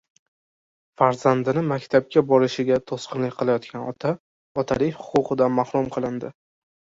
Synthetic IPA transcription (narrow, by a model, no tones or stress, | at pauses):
faɾz̥and̪ɪnɪmakʲt̪ʰap̚kʲabɒɾɪʃɪɡʲat̪ʰosqɨnlɪkʲqʰɨlˠajɒt̪̚kʲanɒ̰t̪ʰa | ɒt̪ʰalɪjhʊ̥qʊqɨd̪anmahɾʊmqʰɨlˠɪnd̪ɪ